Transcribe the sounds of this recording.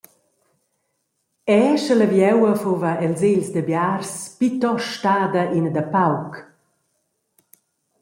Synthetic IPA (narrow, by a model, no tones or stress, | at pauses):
ɛʃələvjɛwəfovəɛlzeʎsd̪əbjarspit̪ɔʃtaːd̪ɐʔind̪əpawk